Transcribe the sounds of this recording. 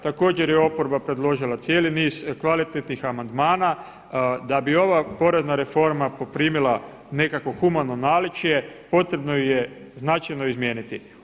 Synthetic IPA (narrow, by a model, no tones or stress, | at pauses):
t̪ako̞ːd͡ʑe̞ɾjeo̞po̞ɾbapɾe̞d̪lo̞ʒilat̪sje̞ːliniːz̥kʋalit̪et̪nixamand̪maːna | d̪abio̞ʋapo̞ɾe̞znaɾe̞fo̞ɾmapopɾiːmilˠa | ne̞kako̞xumano̞naːlit͡ʃije̞po̞t̪ɾe̞bnoje | znat͡ʃajno̞izmjeːnit̪i